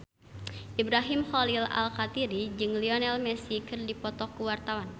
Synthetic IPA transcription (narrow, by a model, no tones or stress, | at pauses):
ʔibɾaɦimxɔlila̰lkat̪iɾid͡ʒɨŋliɔnɛlmɛsikɨrdipɔt̪ɔkːuwart̪awan